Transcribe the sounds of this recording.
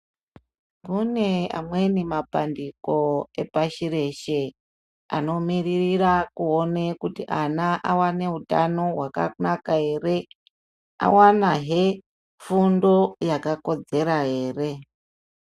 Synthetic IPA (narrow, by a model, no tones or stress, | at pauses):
kune̞a̰mwenimapandiko̞e̞paʃiɾe̞ʃe̞ | a̰no̞miririrakuonekutiʔanaʔawane̞utano̞ɦwaka̰nakae̞ːre̞ | a̰wanaɦe̞ | fundo̞jakako̞d͡ze̞ɾae̞ːre̞